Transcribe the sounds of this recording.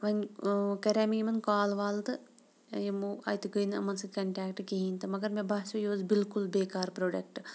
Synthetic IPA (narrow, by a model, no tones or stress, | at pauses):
ʋɐnkɐɾaːmijimɐnkaːlʋaːlt̪ɨ | jemuɐ̰jt̪uɡəjnɐ̰mɐnsɨkɐɳʈaːkʈkiɦĩːnt̪ɨmɐɡɐɾmẽbɐːt͡ʃujoːzbɪlkulbeːkaːɾpɾoːɖɐkʈ